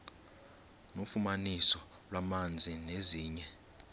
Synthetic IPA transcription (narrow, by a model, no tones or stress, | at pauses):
nofumanisɔ | lwamand͡zʱineziːɲɛ